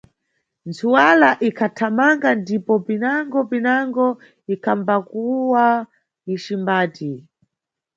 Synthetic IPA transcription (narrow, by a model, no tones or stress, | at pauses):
nt͡sʰuwalaʔikʰatʰamaŋɡandipɔpinaŋɡɔpinaŋɡɔ | ikʰambakuwa | iʃimbaːti